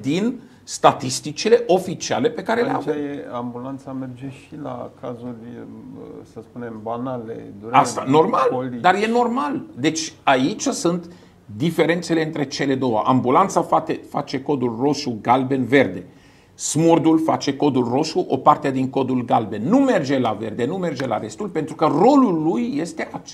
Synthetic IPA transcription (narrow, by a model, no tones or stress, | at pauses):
d̪in | st̪at̪ist̪it͡ʃile̞ʔo̞fit͡ʃia̰le̞pe̞kaɾe̞llea̰vjeambulant̪samerd͡ʒeʃila̰kʰazurʲ | səspunembanalḛd̪uɾast̪ano̞rmald̪arje̞no̞rmald̪e̞t͡ʃʲait͡ʃʲasunt̪ | d̪ife̞ɾe̞nt̪se̞le̞ɨnt̪ɾe̞t͡ʃe̞le̞d̪o̞wəʔambulant̪safat̪efa̰t͡ʃe̞ko̞d̪ulro̞ʃuɡalbe̞nve̞rd̪e̞ | smurd̪ulfat͡ʃe̞ko̞d̪ulro̞ʃuʔo̞part̪ead̪iŋko̞d̪ulɡalbe̞nːume̞rd͡ʒe̞lave̞rd̪e̞nume̞rd͡ʒe̞la̰ɾe̞st̪ulpent̪ɾukəro̞lulːujːe̞st̪e̞ʔat͡ʃ